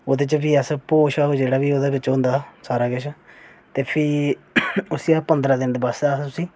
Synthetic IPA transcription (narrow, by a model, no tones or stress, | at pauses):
oːd̪eːt͡ʃbiːəspoːʃaːoːd͡ʒeːɽaːbiːoːd̪eːbɪt͡ʃɦʊ̃nd̪aːsaːɾaːɡɪʃ | t̪eːpʰɪ | ʊsiaːpənd̪ɾãːd̪ɪnd̪basd̪aːt̪ʊsĩː